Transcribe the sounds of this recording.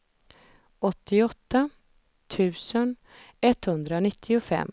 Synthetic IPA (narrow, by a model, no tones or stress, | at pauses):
ʔɔt̪ʰːɪɔt̪ːa | t̪ʰʉ̟ːsən | ɛt̪ːhɵnd̪ɾaonɪt̪ʰːɪʊfɛ̰mː